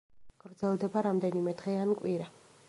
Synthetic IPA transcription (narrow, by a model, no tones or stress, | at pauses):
ɡ̥ɾd̪zɛlˠd̪ɛbaɾamd̪ɛnimɛd̪ʁɛankʼwiɾa